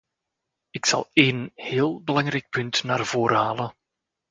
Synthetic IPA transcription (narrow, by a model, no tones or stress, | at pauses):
ɪksɑ̰lˠeːnhɪːlˠbəlɑŋrɛjk̚pɵntnaːrv̥oːɾəɦaːlən